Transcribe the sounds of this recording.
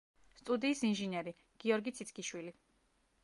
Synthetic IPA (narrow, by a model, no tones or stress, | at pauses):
st̪ʼud̪iːsinʒinɛɾi | ɡ̥iɔɾɡit̪sʰit̪kʰʼiʃwili